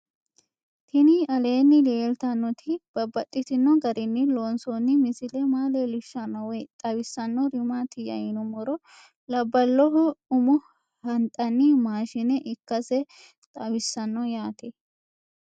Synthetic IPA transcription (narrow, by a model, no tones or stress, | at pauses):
t̪ʰɪnɪɐle̞ːnːɪleːlt̪ɐnːɔt̪ʰɪb̥ɐbːɐt̪ʼːɪt̪ɪnːɔɡɐɾɪnːɪloːnsonːɪmɪsɪlɛmaːlɛlɪʃːɐnːɔwɛjt̪ʼɐwɪsːɐnːɔɾɪmat̪ɪjɐ̰jɪnʊmɔɾɔ | lɐbːɐlːɔɦɔʊmʊ | hɐnt̪ʼːɐnːɪmaːʃɪnɛʔɪkːɐsɛ | t̪ʼɐwɪsːɐnːɔjaːt̪ɛ